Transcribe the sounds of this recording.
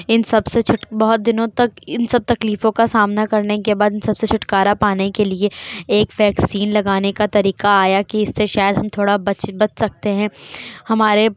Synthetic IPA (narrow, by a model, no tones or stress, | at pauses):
ɪnsɐbset͡ʃʰʊʈbɐɦʊt̪̚d̪ɪnõt̪ɐkɪnsɐb̚t̪ɐkliːfõkasaːmnakɐɾnekebaːd̪ɪnsɐbset͡ʃʰʊʈkaːɾapaːnekelieeːkʋɛːksiːnlɐɡaːnekat̪ɐɾiːqaaːjakiɪsːeʃaːjəd̪ɦɐmt̪ʰoːɽabɐbɐt̪sɐk̚t̪eɦɛ̃hɐmaːɾe